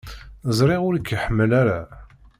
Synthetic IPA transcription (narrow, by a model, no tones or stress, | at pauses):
zˤɾˤeʁʊɾəkːəħəmːəlaɾa